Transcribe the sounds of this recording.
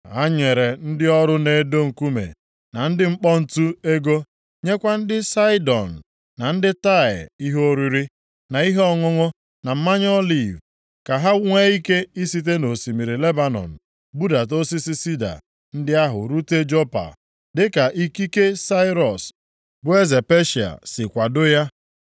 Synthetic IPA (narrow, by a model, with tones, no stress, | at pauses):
a˦ɲe˨ɾe˨n̩˦dɪ˦ɔ˦ɾʊ˦ne˦do˦ŋ̩˨ku˦mḛ˨ | na˨n̩˦dɪ˦ŋ͡m̩˦k͡pɔ˦n̩˨tu˦e˦ɡo˦ | ɲe˦kʷa˦n̩˦dɪ˦sa˦ɪ˦dɔ̰˨n̩˨ | na˨n̩˦dɪ˦ta˦˨ɪ̰˨i˦ɦo˦ɾi˦ɾi˦ | na˨i˦ɦɔ˦ŋʊ˦ŋʊ˦ | na˨m̩˦ma˦ɲ˦ɔ˦li˨v | ka˨ɦa˦ŋʷe˦i˦ke˦i˦si˦t̬e˦no˨si˨mi˨ɾi˨le˦ba˦nɔ̰˨n̩˨ | bu˦da˨t̬o˦si˦si˦si˦da̰˨ | n̩˦dɪ˦a˦ɦʊ̰˨ɾu˦te˦d͡ʒo˦pa̰˨ | dɪ˦ka˨ʔi˦ki˦ke˦sa˦ɪ˦ɾɔ˨s | bʊ˨e˦ze˨pe˦ʃi˨a̰˨sɪ˨kʷa˨dʊ˦ja˦